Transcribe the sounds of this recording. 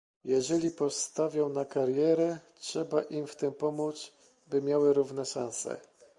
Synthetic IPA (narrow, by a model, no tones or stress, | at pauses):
jɛʐɛlʲipɔst̪avʲjɔ̃w̃nakaɾjɛɾɛtʂɛbaʔimft̪ɘmpɔmudt̪s | bɘmʲjawɘɾuvnɛʂãñsɛ̰